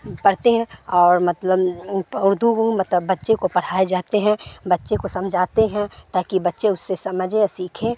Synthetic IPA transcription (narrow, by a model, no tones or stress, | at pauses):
pɐɽt̪eɦɛ̃ɔːɾmɐt̪ləbʊɾd̪ʱukmɐt̪ləbːɐtːʃekopɐɽ̤aːed͡ʒaːt̪eɦɛ̃bɐtːʃekosɐmd͡ʒʱaːt̪eɦɛ̃t̪aːkibɐtːʃeʊsːesɐməd͡ʒʱesiːkʰẽ